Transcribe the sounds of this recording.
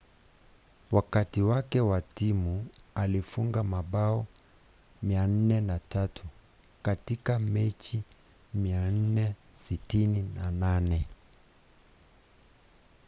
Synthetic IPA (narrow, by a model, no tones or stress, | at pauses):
wakatiwakɛwatimualifuŋɡamaɓaɔ | mian̩nɛnatatʰu | katikamɛt͡ʃi | mian̩nɛsitininananɛ